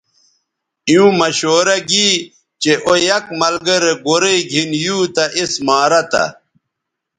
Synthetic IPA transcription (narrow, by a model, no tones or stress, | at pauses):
ijũmɐɕoːɾɐɡiː | t͡ɕeʔojɐkmɐlɡɐɾeɡoɾeiɡʱinjuːt̪ɐʔismaːɾɐt̪a̰